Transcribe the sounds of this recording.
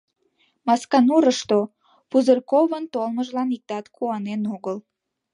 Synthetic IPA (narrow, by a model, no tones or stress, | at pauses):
mɑskɑnuɾəʃt̪o | puzərkoβənt̪olməʒlɑnik̚t̪ɑt̪kʰuɑnenoɣəl